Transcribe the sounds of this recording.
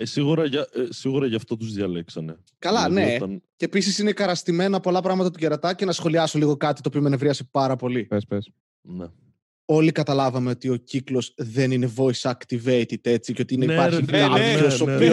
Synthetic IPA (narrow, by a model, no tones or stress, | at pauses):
siɣuɾɐʝɐsiɣuɾɐʝɐft̪o̞t̪uzðʝɐleksɐne | kɐlɐneɐncepis̬isine̞kɐɾɐst̪ime̞nɐpo̞lɐpɾɐɣmɐt̪ɐt̪uʝeɾɐt̪ɐce̞nɐsxo̞liɐsoliɣo̞kɐt̪i̥t̪oːpio̞menevɾiɐsepɐɾɐpo̞lipespes | ne | o̞likɐt̪ɐlɐvɐme̞o̞t̪io̞ciklo̞zðe̞nine̞vo̞isɐkt̪iveit̪it̪e̞t͡siceo̞t̪iineipɐɾçiɐɾosopio